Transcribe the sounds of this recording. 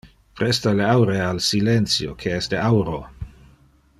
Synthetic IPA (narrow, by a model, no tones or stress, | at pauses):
pɾɛst̪aleawɾealsilɛnt̪sjokʰeɛsd̪eawɾo